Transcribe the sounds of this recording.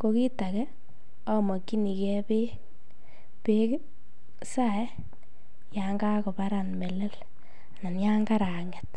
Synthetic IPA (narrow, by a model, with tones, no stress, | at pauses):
ko˨ki˦ta˨kɛ˦ | ɔ˦mɔ˨kːi˦ni˨kɛ˦pe˦ | pe˦k | sa˦˨˦ | ja˨ŋɡa˦ko˨pa˦ɾa˨nme˨le˦l | na˨nja˦ŋɡa˦ɾa˨ŋe˨t